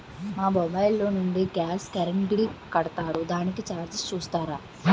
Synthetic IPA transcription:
maːbɔbɐjlːoːnuɳɖiɡaːskɐɾɐɳʈɡlikɐɽɐt̪aːɾud̪aːnikit͡ʃaːɾt͡ʃist͡ʃuːst̪aːɾaː

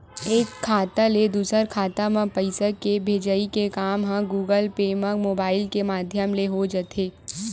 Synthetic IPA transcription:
eːkʰːaːt̪aled̪uːsəɾkʰaːt̪amə̃pəɪsəkebʱeːd͡ʒəikekaːmɦãɡuːɡəlpeːmə̃moːbaːɪlkemaːd̪ʱjəmleɦod͡ʒət̪ʰeː

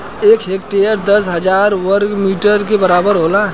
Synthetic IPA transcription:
eːkɦekʈejəɾd̪əsɦəd͡ʒaɾwəɾɡmiʈəɾkebəɾabəɾɦola

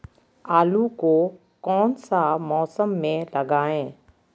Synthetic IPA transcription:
aːluko | kɔːnsamɔːsəmːẽlɐɡaːẽː

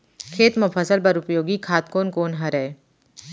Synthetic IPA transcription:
kʰeːt̪mʊpʰəsəlbɐɾʊpjoːɡikʰaːt̪̚koːnkoːnɦɐɾɛe

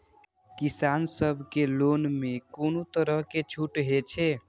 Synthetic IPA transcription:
kisansəbʱkelonmekonot̪əɾəɦket͡ʃʰuʈɦet͡ʃʰe

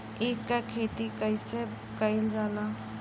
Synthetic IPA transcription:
eːkːakʰeːt̪ikəɪse | kəɪld͡ʒaːlaː

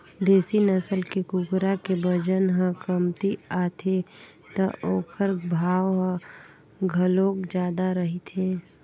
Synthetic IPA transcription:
d̪eːsinəsəlkikʊkɾakebəd͡ʒənɦə̃kəmt̪iaːt̪ʰe | t̪əʔoːkʰəɾbʱaːwɦə̃ | ɡʱəlõːkd͡ʒaːd̪aɾəɦit̪ʰeː

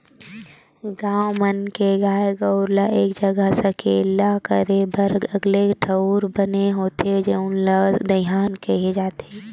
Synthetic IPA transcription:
ɡãːwmənkeɡaːeɡəʊɾlaʔeːkd͡ʒəɡəsɐkeːlakə̰ɾebəɾɐɡleʈʰəʊɾbəneɦoːt̪ed͡ʒeʊnlad̪əjaːnkəɦed͡ʒaːt̪eɛː

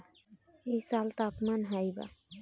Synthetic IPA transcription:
eisalt̪aːpmanɦajba̰

